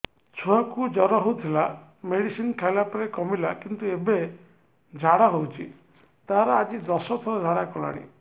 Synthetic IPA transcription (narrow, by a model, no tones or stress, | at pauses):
t͡ʃʰuakud͡ʒɔɾɔɦowt̪ʰila | meɽisinkʰajlapɔɾekɔmilakint̪uebe | d͡ʒʱaɽaɦowt͡ʃʰi | t̪aɦaɾɔad͡ʒid̪ɔsɔt̪ʰɔɾɔd͡ʒʱaɽakɔla̰ɽ̃ḭ